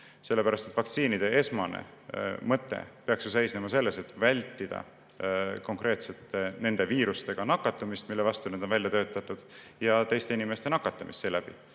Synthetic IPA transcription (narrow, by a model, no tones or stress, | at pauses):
se̞lːe̞pæɾɑst̪et̪ːˑvɑk̚t̪siːnid̪̥e̞e̞smɑnḛ | mɤt̪ˑːḛpeɑksjus̬e̞jsnemɑse̞lːe̞se̞t̪ːvælʲt̪ːid̪̥ɑ̰ | ko̞ŋkre̞ːt̪se̞t̪ːˑe̞ne̞nd̪̥e̞viːɾust̪e̞ɡ̥ɑnɑkːˑɑt̪ːˑumist̪milːevɑst̪uned̪onvælʲjɑt̪ø̞ːt̪ːˑɑt̪ːˑud̪̥jɑt̪e̞jst̪e̞inime̞st̪e̞nɑkːˑɑt̪ːˑɑmist̪seːlæb̥ḭ